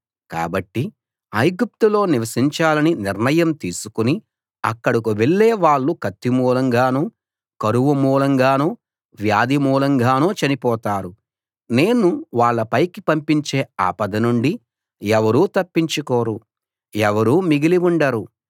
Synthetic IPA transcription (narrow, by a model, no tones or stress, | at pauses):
ka̰ːbɐʈːi | ɐjɡup̚t̪ulo̞ːniʋɐsiɲt͡ʃaːlɐniniɾnɐjɐmt̪iːsu̥kuni | ɐkːɐɽikuʋeɭːeːʋaːɭːukɐt̪ːimuːlɐŋɡaːnoː | kɐɾuʋumuːlɐŋɡaːnoː | ʋjaːd̪imuːlɐŋɡaːnoːt͡ʃɐnipɔːt̪aːɾu | ne̞ːnuʋaːɭːɐpɐjkipɐmpiɲt͡ʃeːa̰ːpɐd̪ɐnuɳɖi | ɛʋɐɾuːt̪ɐpːiɲt͡ʃukoːɾu | ɛʋɐɾuːmiɡiliʋuɳɖɐɾu